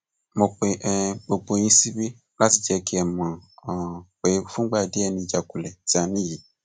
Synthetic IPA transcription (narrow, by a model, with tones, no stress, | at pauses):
mo˧k͡pe˨ʔɛ˨ɡ͡bo˧ɡ͡bo˧˦ɲ̃ĩ˧si˦bi˦ | la˦ti˧˨d͡ʒɛ˧ki˦ɛ˨mã˨ | k͡pe˨˦fũ˦ɡ͡ba˦˨de˦ɛ˦˧˨nĩ˧d͡ʒa˨ku˨lɛ˨ti˦a˧nĩ˦ji˨